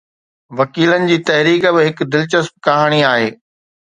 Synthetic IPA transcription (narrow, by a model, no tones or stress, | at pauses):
ʋɐkiːlənɪ̆d͡ʑiːt̪ɐɦɾiːkbɪɦɪkd̪ɪlt͡ɕəsp̚kɐɦaːɽ̃iaːɦeː